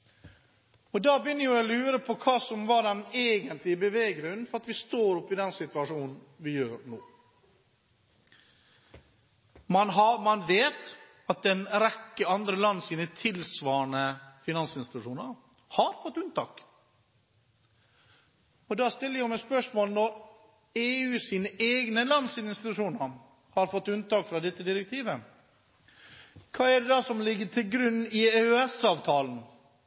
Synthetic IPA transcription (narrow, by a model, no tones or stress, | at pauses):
ɔd̪ɑːbəjʏnːəjʊɔlʉːɾəpʰɔkʰɑːsɔmʋɑɖɛneːɡənt̪lɪbəʋeːɡɾʉn̩fɔɾɑt̪ʋɪst̪oːɾɔpːɪd̪ɛnsɪt̪ʉɑʂuːnn̩ | ʋɪjøːɾɳoː | mɑnɦɑmɑnʋeːt̪ | ɑt̪̚d̪ɛnɾɛkːəɑnd̪ɾəlɑnːəsiːnət̪ʰɪlsʋɑːɾɳəfɪnɑnsɪnsɪt̪ʊʂuːnəɾ | hɑɾfɔt̪ːʉnt̪ɑːk | ɔd̪ɑːst̪ɪlːəjæmɛspœʂmoːlnɔɾ | eːʉːsiːnəʔeːɡnəlɑnsɪnst̪ɪt̪ʉʂuːnəɾ | hɑɾfɔt̪ːʉnt̪ɑːkfɾɑd̪ɛt̪ːəd̪ɪɾɛk̚t̪ʰiːʋə | kʰɑːæɖɛd̪ɑsɔmlɪɡːəʈʰɪlɡɾʉnːɪeœɛsɑːʋt̪ʰɑːln̩